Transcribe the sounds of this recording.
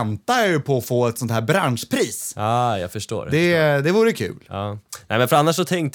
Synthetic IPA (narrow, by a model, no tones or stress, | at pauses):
nt̪ajɵpʰɔːfoːɛt̪sɔnt̪ʰæːɾbɾanʂpʰɾiːsɑːjɑ̰ːɡfœʂʈo̰ːɾɛd̪ɛd̪ɛvuːɾəkʰʉ̰ːlɑːnɛɪmɛnfœɾanːaʂːɔt̪ʰɛŋkt̪